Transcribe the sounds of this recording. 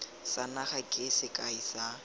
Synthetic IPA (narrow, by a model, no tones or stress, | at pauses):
sanaχakʼɪsɪkʼaisa